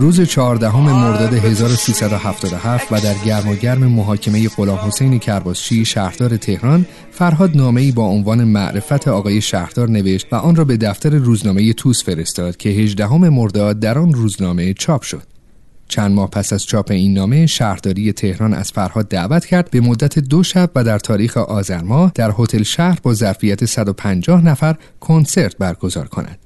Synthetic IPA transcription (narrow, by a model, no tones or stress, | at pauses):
ruːze̞t͡ʃʰɒɦɒːɾd̪æɦome̞mo̞ɾd̪ɒːd̪e̞ɦe̞zɒːɾosiːsæd̪o̞hæft̪ɒːd̪ohæft̪væd̪æɾɟæɾmɒɟæɾme̞moɦɒːcʰe̞me̞je̞ɣo̞lɒːmho̞se̞jne̞cʰæɾbɒːz̥t͡ʃiːʃæɾd̪ɒːɾe̞t̪ʰe̞hɾɒn | fæɾɦɒːd̪nɒːme̞iːbɒːonvɒːne̞mæ̰ʔɾe̞fæt̪ʰeɒːɣɒːje̞ʃæhɾd̪̥ɒːɾne̞ve̞ʃt̪væʔɒːnrɒːbe̞d̪æft̪æɾe̞ruːznɒːme̞je̞t̪ʰuːsfe̞ɾe̞st̪ɒːd̪̥cʲʰe̞ɦe̞ʒd̪æɦome̞mo̞ɾd̪ɒːd̪̚ːæɾɒːnruːznɒːme̞t͡ʃʰɒːpʰʃo̞̰d̪̥̚ | t͡ʃʰænd̪mɒːhpʰæsæz̥t͡ʃʰɒːpʰe̞iːnːɒːme̞ʃæɾd̪ɒːɾiːje̞t̪ʰe̞hɾɒːnʔæ̰z̥fæɾhɒːd̪ːæʔvæt̪ʰcʰæɾd̪̚be̞mod̪ːæt̪ʰe̞d̪o̞ʃæbvæd̪æɾt̪ʰɒːɾiːxeʔɒːzæɾmɒːhd̪̥æɾho̞t̪ʰe̞lʃæhɾbɒːzæɾfijæt̪ʰe̞sæd̪o̞pʰænd͡ʒɒːhnæfæɾ | kʰo̞nse̞ɾt̪̚ʰbæɾɡo̞zɒ̰ːɾkʰo̞̰nʔæ̰d̪̥